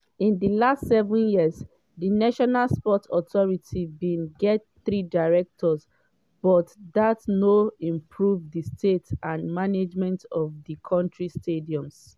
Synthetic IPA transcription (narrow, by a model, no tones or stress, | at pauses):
ĩndilastsɛvɔ̃njiəz | dinaʃɔnalspɔtʰɔtʰɔɹitʰibĩnɡɛt | θɹidaɹɛk̚tʰɔz | b̥ɔtdatnoĩmpʰɹuvdistʰetãnmaned͡ʒmɛ̃ntɔvðikʰɔ̃ntɹistʰediɔ̃ms